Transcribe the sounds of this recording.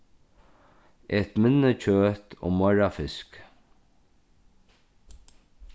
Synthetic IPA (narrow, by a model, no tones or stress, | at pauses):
ɛt̪mɪnːət͡ʃʰøːt̪ɔ̰ːmɔɹafɪsk